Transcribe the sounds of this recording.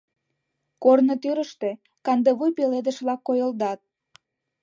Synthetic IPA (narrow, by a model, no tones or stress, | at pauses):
kornot̪yɾəʃt̪e̽ | kɑnd̪eβujpeled̪ə̆ʃβlɑkːojəld̪ɑt̪̚